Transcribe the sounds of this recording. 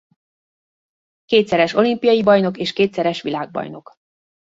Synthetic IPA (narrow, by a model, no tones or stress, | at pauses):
keːt̪sɛɾɛʃo̞limpijɒjibɒjno̞keːʃkeːt̪sɛɾɛʃʋilaːɡ̚bɒ̰jno̞k